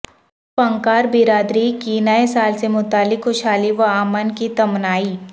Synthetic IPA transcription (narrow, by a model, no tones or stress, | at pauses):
pɐ̃ŋkaːɾbɪɾaːd̪ɾikinɐɛsaːlsemʊt̪aːlɪkʰxʊʃaːliʋɐaːmənkit̪ɐmnaːiː